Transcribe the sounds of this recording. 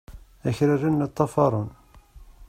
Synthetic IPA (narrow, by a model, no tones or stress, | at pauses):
æçɾarːinːət̪ˤːɑfɑɾˤon